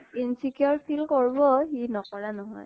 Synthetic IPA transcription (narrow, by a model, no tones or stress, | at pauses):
insikiɔɹpʰilkɔɹbɔxinɔkɔɹanɔɦɔ̰j